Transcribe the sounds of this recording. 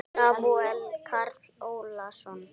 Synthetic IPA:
abʊɛlkʰartʰi̥ollaʃɔn

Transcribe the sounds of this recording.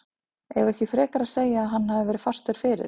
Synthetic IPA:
ɛɣɛhcɪfɾɛːkaɾaðseːjaːɦanːhavɪvɛːɾɪðfar̥st̪ʏɾ̥fɪːɾɪ̰ɾ

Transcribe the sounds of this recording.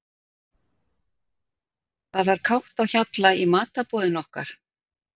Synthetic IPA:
θaðvaɾ̥kʰawht̪awçat̪laimaːt̪apɔːðɪnɔhka̰ɾ̥

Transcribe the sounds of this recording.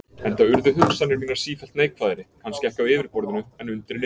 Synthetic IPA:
ɛnt̪aʏɾðʏɦʏkst̪anɪɾmiːnaɾ̥siːfɛl̥t̪neːjkfaːðɪɾɪkʰanscɪɛhcaðɪːvɪɾ̥pɔɾðʏnʏɛnʏnt̪ɾɪnɪ

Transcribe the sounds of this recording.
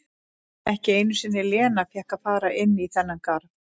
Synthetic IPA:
ɛhcɪeːjnʏsɪnːɪlɛːnafjɛhkaðfaːɾaʔɪnːiθɛnːankaɾð

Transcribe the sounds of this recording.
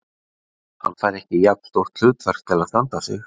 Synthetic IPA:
ha̰nːfaːjɾɛhcɪjak̪st̪owht̪l̥ʏːt̪vɛr̥k̚t̪ʰɪlaðst̪ant̪asɪ̰x

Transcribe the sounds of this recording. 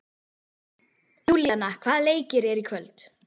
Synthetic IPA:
uljanːakʰvaːðleːjcɪɾɛɾikʰvœlt̪

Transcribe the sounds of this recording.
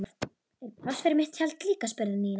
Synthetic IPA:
mat̪ | ɛɾḁsfɪɾɪmɪht̪çalt̪liːkaspœɾðɪniːn

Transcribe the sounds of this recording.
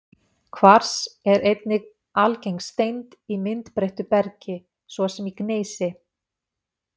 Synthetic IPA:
kʰvaɾ̥sɛɾejt̪nɪɣ | alcejŋst̪ejnt̪imɪnt̪pɾejht̪ʏpɛɾcɪ | svɔsɛmikneːjsɪ

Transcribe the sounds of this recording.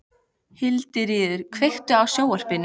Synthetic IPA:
hɪlt̪ɪɾiːðʏɾ̥kʰvejxt̪ʏawsjoːwar̥pɪnː

